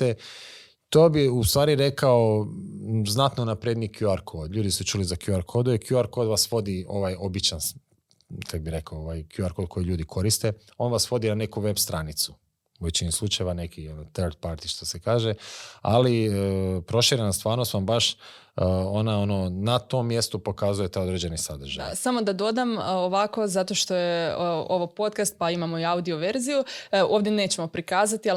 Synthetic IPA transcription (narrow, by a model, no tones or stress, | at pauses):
e | t̪oːbiust̪ʋaːɾiɾe̞kao | znat̪nonapɾed̪nikjuaɾkʰoːd̪ʎuːd̪isut͡ʃuːlizakjuaɾkʰo̞d̪uikjuaɾko̞ːd̪ʋasʋo̞d̪io̞ʋajo̞bit͡ʃan | kad̪biɾe̞kaooʋajkjuaɾkod̪̚kʰo̞jiʎuːd̪ikʰo̞ɾist̪e̞o̞nʋasʋo̞d̪inane̞kuʋe̞bst̪ɾanit̪su̥ | uʋet͡ɕinislˠut͡ʃajeʋane̞kionot̪eɾd̪̚paɾt̪i̥ʃt̪osekaːʒealipɾo̞ʃiɾenast̪ʋaːɾnost̪ʋambaʃ | o̞nao̞no̞nat̪o̞mːje̞st̪upo̞kazuje̞t̪aod̪ɾed͡ʑe̞nisad̪r̩ʒa̰samo̞d̪ad̪o̞d̪amoʋako̞zat̪oʃt̪o̞jeo̞ʋopo̞t̪kast̪̚paimamo̞iaud̪io̞ʋe̞ɾzijuo̞ːvd̪jene̞ːt͡ɕemo̞pɾikaːzat̪ia